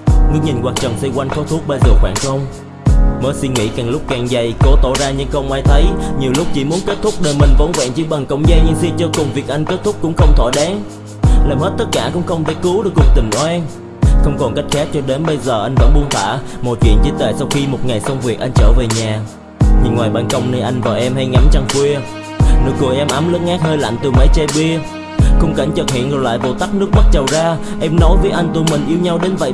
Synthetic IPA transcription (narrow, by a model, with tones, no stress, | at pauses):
ŋɨ˧əŋɲi˨˩nkwaː˨˩k̚t͡ɕə˨˩nsə˧kwa˧jŋ̟xɔ˨˦t̪ʰu˦˥k͡p̚ɓə˧jzəː˨˩xwaː˧˩nxə˧wŋ͡m | məː˨˦jsi˧ŋŋḭ˧˥kaː˨˩ŋlʊ˦˥k͡p̚kaː˨˩ŋza˨˩jko˨˦t̪o˧˩zaː˧ɲɨ̰˧˥ŋxə˧wŋ͡mʔaː˧jt̪ʰə˨˦jɲi˨˩əwlʊ˦˥k͡p̚t͡ɕḭ˧˩mu˨˦ənke˦˥t̚t̪ʰʊ˦˥k͡p̚ɗəː˨˩jmï˨˩ŋ̟və˨˦nvwɛ̰ː˧˨nt͡ɕɨ̰˧˥ɓa˨˩ŋkə̰˧wŋ͡mza˧jɲɨ̰˧˥ŋsi˧t͡ɕɔː˧kʊ˨˩ŋ͡mvi˨˩k̚ʔa˧jŋ̟ke˦˥t̚t̪ʊ˦˥k͡p̚kʊ̰˧˥ŋ͡mxə˧wŋ͡mt̪ʰo˧˩jɗɛ˨˦n | laː˨˩mhe˦˥t̚t̪ə˦˥t̚kaː˧˩kʊ̰˧˥ŋ͡mxə˧wŋ͡mt̪e˧˩kɨ˨˦ɗɨ˨˩ək̚ːu˨˩ək̚t̪ï˨˩ŋ̟ʔɔ˧˦ʔɛ˧n | xə˧wŋ͡mkɔ˨˩nka˦˥jk̚xɛ˦˥t̚t͡ɕɔ˧ɗe˨˦nɓə˧jzəː˨˩ʔa˧jŋ̟və̰˧˥nɓu˧ənt̪ʰwa̰ː˧˩mo˨˩j̚kḭ˧˨ənt͡ɕi˨˦˥t̪we˧˩sa˧wxi˧mo˨˩t̚ŋa˨˩jsə˧wŋ͡mvi˨˩ək̚ʔa˧jŋ̟t͡ɕəː˧˩ve˨˩ɲaː˨˩ | ɲi˨˩ŋːwaː˨˩jɓaː˧˩nkə˧wŋ͡mnə˧jʔa˧jŋ̟vaː˨˩ʔɛ˧mha˧jŋa˨˦mt͡ɕa˧ŋkwi˧ə | nɨ˨˦˥ək̚ku˨˩əʔɛ˧mʔa˨˦mlə˨˦˥ŋ̚ŋaː˦˥k̚həː˧jla̰ː˧˨nt̪ɨ˨˩mə˨˦jt͡ɕe˧ɓi˧ə | xə˧wŋ͡mka˧˩ŋt͡ɕə˨˩hḭ˧˨ənzɨ˨˩jla̰ː˧˨jɓo̰˧˩t̪aː˦˥k̚nɨ˦˥ək̚mə˦˥t̚t͡ɕə˨˩wzaː˧ | ʔɛ˧mnɔ˨˦jvəː˨˦jʔa˧jŋ̟t̪u˧mï˨˩ŋ̟ʔi˧əwɲa˧wɗe˨˦nvə̰˧˨j